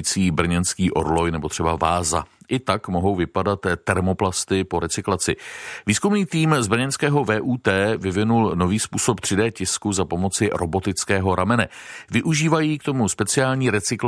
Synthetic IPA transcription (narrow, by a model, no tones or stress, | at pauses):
t͡siːbr̩ɲɛnskiːʔo̞̰ɾlo̞jnɛbo̞t̪r̝̥ɛbavaːza̰ʔɪt̪akmo̞ɦo̞wvɪpadat̪ːɛɾmo̞plast̪ɪpo̞ɾɛt͡sɪklat͡sɪviːskumniːt̪iːmzbr̩ɲɛnskɛːɦo̞vɛːʔuːt̪ɛːvɪvɪnulno̞viːspuːso̞pt̪r̥ɪdɛːcɪskuzapo̞mo̞t͡sɪɾobo̞t̪ɪt͡skɛːɦo̞ɾamɛnɛ | vɪʔuʒiːvajiːk̚t̪o̞muspɛt͡sɪaːlɲiːɾɛt͡sɪkl